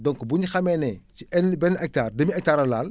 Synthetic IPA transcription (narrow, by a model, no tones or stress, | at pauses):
dɔŋkbuɲxɐmɛnɛciɛnbɛnʔɛk̚taːrdɐmiɛk̚taːɾɐlaːl